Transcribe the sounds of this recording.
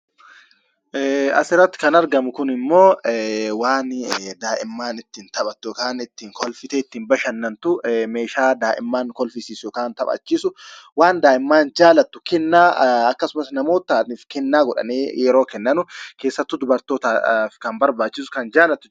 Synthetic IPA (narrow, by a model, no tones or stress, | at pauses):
ɛːɐ̰sɪɾːɐt̪ːɪ̥kɐnɐɾɡɐmʊkʊnɪmːo̞ːwaːnd̪aːʔɪmːaːnɪt̪ːiːnt̪ɐɓɐt̪ːʊɔkaːnɪt̪ːiːŋkɔlfɪt̪ɛɪt̪ːiːnbɐʃɐnːɐnt̪ʊme̞ːʃaːd̪aːʔɪ̰mːaːŋkɔlfɪsiːsjɔkaːnt̪ɐpʼɐ̰ːt͡ʃːisʊwaːnd̪aːʔɪmːaːnd͡ʒaːlɐt̪ːʊ̥kɛnːaːɐkːɐsʊmɐsnɐmo̞ːt̪ːaːniːfkɛnːaːɡɔᶑɐ̰neːjɛɾo̞ːkɛnːɐnʊke̞ːsːɐt̪ːʊd̪ʊbɐɾt̪oːt̪afkɐnbɐɾbaːt͡ʃːɪsʊ̥kɐnd͡ʒaːlɐt̪ːʊ